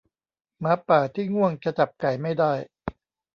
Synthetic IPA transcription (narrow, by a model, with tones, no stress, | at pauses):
maː˦˥pːaː˨˩t̪ʰiː˥˩ŋu˥˩əŋt͡ɕa˧t͡ɕa˨˩p̚ka˨˩jma˥˩jdaː˥˩j